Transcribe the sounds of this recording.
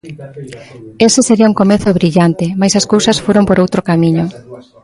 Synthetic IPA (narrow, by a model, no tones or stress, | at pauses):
esɪseɾiauŋkomeθoβɾiʎant̪ɪmajsɐskowsɐsfoɾompoɾowt̪ɾokamiɲo